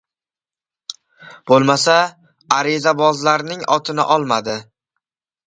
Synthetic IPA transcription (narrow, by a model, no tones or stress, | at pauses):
b̥olˠmasa | aɾɪzabɒzlaɾnɪŋɒt̪ʰɪnɪ̰ʔɒlˠmad̪ɪ